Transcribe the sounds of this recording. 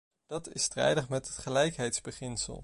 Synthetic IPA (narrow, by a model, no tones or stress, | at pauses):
d̥ɑtɪstrɛ̰jdəχmɛtɦətχəlɛjkɦɛjtzbəχɪnsə̰lˠ